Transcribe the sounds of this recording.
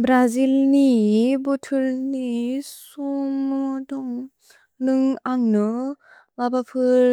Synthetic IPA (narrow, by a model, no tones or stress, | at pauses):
bɾazilnibɔtʰulnisɔmɔdɔŋ | nɯŋaŋnɯ | babapʰɯɾ